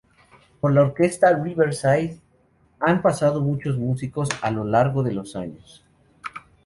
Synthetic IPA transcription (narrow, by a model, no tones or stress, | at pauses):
po̞ɾlaoɾke̞st̪ariβeɾsajð | ampasað̞o̞mut͡ʃo̞zmusiko̞salo̞laɾɣo̞ðe̞lo̞saɲos